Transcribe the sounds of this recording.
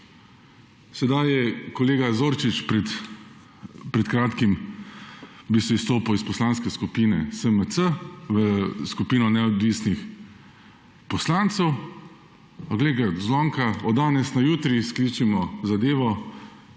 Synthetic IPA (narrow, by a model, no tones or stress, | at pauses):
sɛd̪ajɛkɔleːɡazoːɾt͡ʃit͡ʃpɛt̪ | pɾɛt̪kɾaːt̪kim | bisɛist̪oːpawispɔslanskɛskupinɛ̰səmət̪səʋəskupiːnɔnɛɔd̪ʋiːsnix | pɔslant̪sɛw | ɔɡleːɡazlɔŋkaɔd̪d̪aːnɛsnajuːt̪ɾiskliːt͡ʃimɔzad̪eːʋɔ